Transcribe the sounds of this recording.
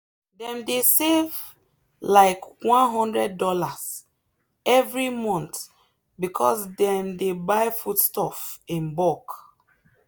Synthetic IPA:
dɛ̃mdesev | laɪkwɔ̃nɦɔ̃ndɹɛdːɔlas | ɛvɹimɔ̃nt | bikʰɔsdɛ̃mdebaɪfudstɔfĩnbɔk

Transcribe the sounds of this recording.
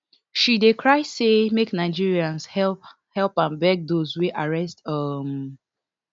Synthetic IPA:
ʃidekʰɹaɪsemeknaɪd͡ʒiɹiãnshɛp | hɛlpãnbɛk̚dozweʔaɹɛstʌm

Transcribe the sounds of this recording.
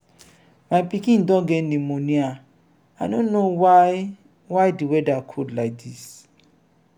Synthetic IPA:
majpikĩndɔ̃ɡɛnĩmonĩa | adõnːow | wajdiwɛdakʰudlak̚dis

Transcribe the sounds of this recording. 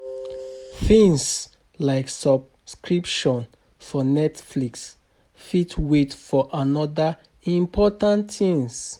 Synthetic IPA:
θĩŋs | laɪksɔb̚ | skɹipʃɔ̃n | fɔnɛtfliks | fitʰwetfɔʔanɔda | ĩmpʰɔtãntθĩŋs

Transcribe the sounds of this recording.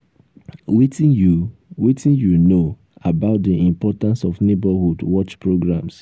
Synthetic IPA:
witijuwitĩnjuno | abaʊt̚diʔĩmpɔtãnsɔfnebahudwɔt͡ʃpɹoɡɹãms

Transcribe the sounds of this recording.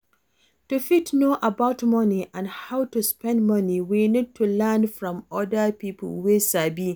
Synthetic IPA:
tufitnoʔəbaʊtmʌniʔãndhawtuspɛ̃ndmʌniwinid̚tʰulɛnfɹɔ̃mɔdəpipə̰lwesabi

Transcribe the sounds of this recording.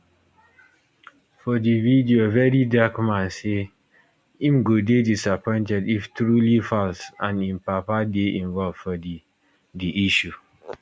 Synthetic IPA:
fɔdividiovɛɹidakmãnse | ĩmɡodedisapɔ̃ɪ̃ntɛdiftɹulifalsãnĩmpapadeʔĩɱvɔlv̥fɔdi | diʔiʃu

